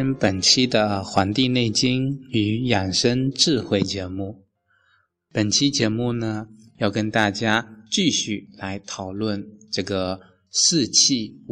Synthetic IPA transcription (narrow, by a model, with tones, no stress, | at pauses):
npə˨˩nt͡ɕʰi˥d̪ə˨˧xwa˧˥nt̪i˥˧ne˥˩ɪt͡ɕi˥ŋy˧˥ja˨˩ŋʂə˥nʈ͡ʂɻ̩˥˧xwe˥˩ɪt͡ɕjɛ˧˥mu˥˩ | pə˨˩nt͡ɕʰi˥t͡ɕjɛ˧˥mu˥˩nə˩ | jɑ˥˩ʊkə˥nt̪a˥˩t͡ɕja˥t͡ɕy˥˧ɕy˥˩la˧˥ɪt̪ʰɑ˨˩ʊlwə˥˩nʈ͡ʂɤ˥˩ɡə˩ | ʂɹ̩˥˧t͡ɕʰi˥˩